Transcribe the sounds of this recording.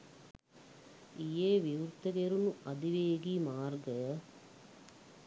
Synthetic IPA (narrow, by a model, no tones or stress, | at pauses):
ijeːʋiʋuɾt̪ːɐɡeɾunuɐd̪iʋeːɡimaːɾɡɐ